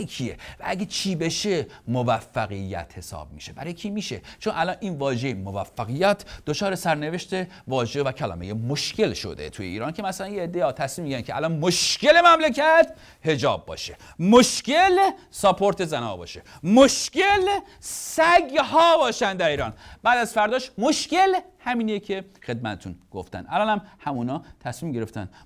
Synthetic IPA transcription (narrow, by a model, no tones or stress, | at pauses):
kʰiḛvæʔæɡʲet͡ʃʰiːbe̞ʃemovæfːæɣijːæ̰t̪he̞sɒ̰ːb̥̚miːʃebæ̰ɾɒːjecʰiːmiːʃet͡ʃʰonʔælɒnʔiːnvɒːʒejemovæfːæɣijːæt̪ʰd̪ot͡ʃʰɒːɾesæɾne̞veʃt̪e | vɒːʒevækʰælɒ̰ːmejemoʃce̞lʃo̰d̪e̞̰t̪ʰuːjeiːɾɑːncʰe̞mæsælænjeed̪ːejɒt̪ʰæsmiːmːiɟæɾænkʰeʔæ̰lɒnmoʃkelemæmlekæt̪ | he̞d͡ʒɒ̰ːb̚ːɒ̰ːʃe | moʃcelsɒpʰoɾt̪ʰe̞zænɒ̰ːbɒ̰ːʃemoʃcel | sæɡhɒːbɒːʃænd̪æɾiːɾɒːnb̥æːd̪æzfæɾd̪ɒːʃmoʃcel | hæmiːniecʰexe̞d̪̚mæt̪ʰet̪ʰunɡ̥o̰ft̪æ̰nʔælɒːnhæmhæmuːnɒːt̪ʰæsmiːmɟe̞ɾeft̪æ̰nd̪